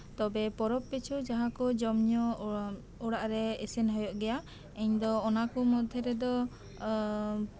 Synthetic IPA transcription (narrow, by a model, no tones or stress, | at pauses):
t̪ɔbɛpɔɾɔpːit͡ʃʰud͡ʒaɦãkɔd͡ʒɔmɲɔ | uɽaʔɾɛɛsɛnɦɔjɔʔɡɛja | ɛɲd̪ɔːnakɔmɔd̪ʱɛɾɛd̪ɔ